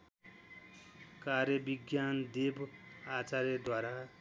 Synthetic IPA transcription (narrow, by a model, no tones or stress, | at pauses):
karjʌbiɡjand̪ebat͡saɾʌd̪waɾa